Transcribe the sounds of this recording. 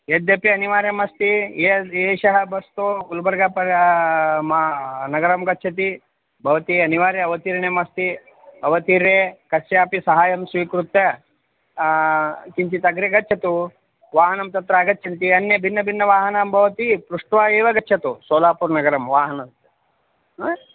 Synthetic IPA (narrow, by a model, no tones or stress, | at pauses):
eːd̪ɐpjɐɐniʋaːɾjɐmɐst̪ieːeːʃɐɦɐbɐst̪oɡulbɐɾɡaːpɐɾ | mnɐɡɐɾɐmɡɐtːt͡ʃʰɐt̪̬i | bʱɐʋɐt̪iɐniʋaːɾjɐɐʋɐt̪iːɾɐnemɐst̪i | ɐʋɐt̪iɾeːkɐsjaːpisɐɦaːjɐmsʋiːkɾut̪ːɐ | kiɲt͡ʃ̪it̪ɐɡɾeɡɐtːt͡ʃʰɐt̪u | ʋaːɦɐnɐmt̪ɐt̪ɾɐːɡɐt̪ːt͡ʃʰɐnt̪iɐnjɐbʱinːɐbʱinːɐʋaːɦɐnaːmbʱɐʋɐt̪ipɾuʂʈʋaːeːʋɐɡɐtːt͡ʃʰɐt̪usoːlaːpuːɾnɐɡɐɾɐmʋaːɦɐnɐ